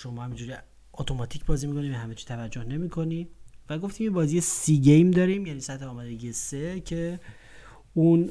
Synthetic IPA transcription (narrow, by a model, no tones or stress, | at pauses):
ʃo̞mɒːhæmind͡ʒuːɾi | ot̪ʰo̞mɒt̪ʰicʰbɒːziːmiko̞nibehæmet͡ʃʰi̥t̪ʰævæd͡ʒːo̞hne̞miːkʰo̞niːvæɡo̞ft̪iːmjebɒːzijesiɟejmd̪ɒːɾimjæniːsæt̪heɒːmɒːd̪e̞ɟiːjese̞cʰe̞ | un